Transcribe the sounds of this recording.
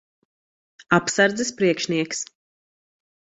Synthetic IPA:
apsaɾd̪zɛspɾiɛkʃniɛks

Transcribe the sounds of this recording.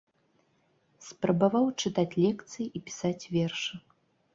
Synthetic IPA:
spɾɐbavawt͡ʂɨt̪at͡sʲlʲɛkt̪sɨjiipʲi̥sat͡sʲvʲɛrʂɨ

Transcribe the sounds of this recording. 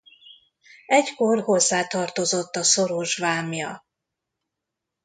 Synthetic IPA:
ɛcko̞rho̞zːaːt̪ɒrt̪o̞zo̞t̪ːɒso̞ɾoʒvaːmjɒ

